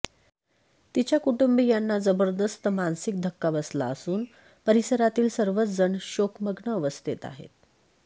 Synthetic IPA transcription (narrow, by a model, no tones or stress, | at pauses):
t̪it͡ɕjakuʈumbijanːad͡zəbəɾd̪əst̪əmansik̚d̪ʱəkːaʋəsla̰əsuːn | pəɾisəɾat̪iːlsəɾʋət͡sd͡zəɳɕokməɡɳəːʋəst̪ʰit̪a̰ɦḛt̪̚